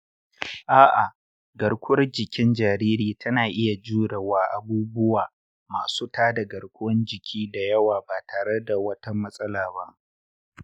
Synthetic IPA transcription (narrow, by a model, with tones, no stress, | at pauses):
ʔaː˦ʔa˨ | ɡɐ˨ɽkʷʊ˦wɐ˦rd͡ʒɪ˨kʲɪ˦nd͡ʒaː˨ɾiː˦ɾiː˨tɐ˦naː˨ʔɪ˦ja˨d͡ʒuː˦ɽɐ˨waː˦ʔa˨buː˦bʊ˦waː˨ | maː˨suː˦taː˦da˨ɡɐ˨ɽkʷʊ˦wɐ˦nd͡ʒɪ˨kʲʰiː˦da˨jɐ˦waː˨baː˨taː˨ɽe˦da˨wɐ˦ta˦mɐ˦sʼɐ˦laː˨ba˦ʔ